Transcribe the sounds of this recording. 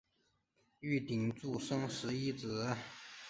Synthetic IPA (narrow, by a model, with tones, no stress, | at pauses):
y˥˩t̪i˨˩ŋt͡su˥˩ʂɤ˥ŋʂɻ̩˧˥i˥˩t͡sɹ̩˨˩˦